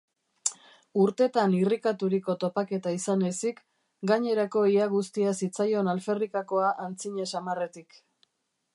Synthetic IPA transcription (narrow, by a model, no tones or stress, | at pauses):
uɾt̪e̞t̪anirikat̪uɾiko̞t̪o̞pake̞t̪aisane̞sik | ɡaɲe̞ɾako̞iaɣ̞ust̪iasit͡sajo̞nalfe̞rikako̞aʔant͡siɲe̞samare̞t̪ik